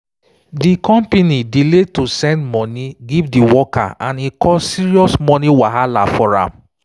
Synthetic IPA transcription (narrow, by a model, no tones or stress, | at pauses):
dikɔ̃mpenidiletosɛ̃ndmɔniɡivdiwɔkʰa̰ãnikʰɔsiɹiɔsmɔniwaɦalafɔɹã̰m